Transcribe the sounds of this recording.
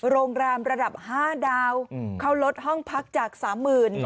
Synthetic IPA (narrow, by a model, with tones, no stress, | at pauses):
ɾoː˧ŋɾɛː˧mɾa˧da˨˩p̚haː˥˩daː˧wkʰa˦˥˩wlo˦˥t̪̚hɔ˥˩ŋpʰa˦˥k̚t͡ɕaː˨˩k̚saː˩˦mːɯː˨˩n